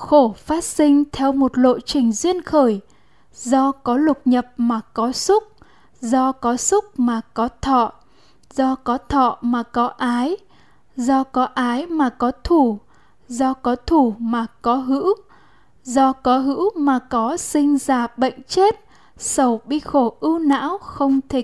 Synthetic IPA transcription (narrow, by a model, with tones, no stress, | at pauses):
xo˧˩faː˦˥t̚sï˧ŋ̟t̪ʰɛ˧wmo˨˩t̚lo̰˧˨jt͡ɕï˨˩ŋ̟zwi˧ənxəː˧˩j | zɔ˧kɔ˨˦lʊ˨˩k͡p̚ɲə˨˩p̚maː˨˩kɔ˨˦sʊ˦˥k͡p̚ | zɔ˧kɔ˨˦sʊ˦˥k͡p̚maː˨˩kɔ˨˦t̪ʰɔ̰˧˨ | zɔ˧kɔ˨˦t̪ʰɔ̰˧˨maː˨˩kɔ˨˦ʔaː˨˦j | zɔ˧kɔ˨˦ʔaː˨˦jmaː˨˩kɔ˨˦t̪ʰu˧˩ | zɔ˧kɔ˨˦t̪ʰu˧˩maː˨˩kɔ˨˦ɦɨ̰˧˥w | zɔ˧kɔ˨˦ɦɨ̰˧˥wmaː˨˩kɔ˨˦sï˧ŋ̟zaː˧˩ɓə̰˧˨jŋ̟t͡ɕe˦˥t̚ | sə˨˩wɓi˧xo˧˩ʔɨ˧wna̰ː˧˥wxə˧wŋ͡mt̪ʰi˨˩